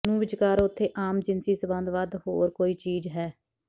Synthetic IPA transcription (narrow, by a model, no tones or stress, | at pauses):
nũːʋɪd͡ʒkaːɾʊt̪ʰːeːʔaːmd͡ʒɪnsiːsəbə̃nd̪ʋaːd̪ho̰ːɾkoːiːt͡ʃiːd͡ʒɦɛː